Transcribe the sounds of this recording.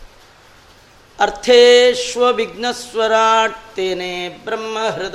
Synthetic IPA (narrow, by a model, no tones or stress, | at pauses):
ɐɾt̪ʰeːʃʋɐʋiɡ̚nɐsʋɐɾaːʈt̪eːneːbɾɐmːɐɦɾud̪